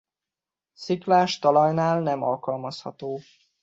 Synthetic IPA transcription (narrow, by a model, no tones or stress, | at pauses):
siklaːʃt̪ɒlɒjnaːlnɛmɒlkɒlmɒshɒt̪oː